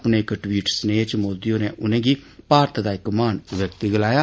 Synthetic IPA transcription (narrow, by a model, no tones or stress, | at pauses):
pneːkʈwiːʈsneːt͡ʃmoːd̪ijõːneːʔʊnẽːɡiːpaːɾt̪ʰd̪aːɪkmaːnʋjəkt̪iɡəlaːjaː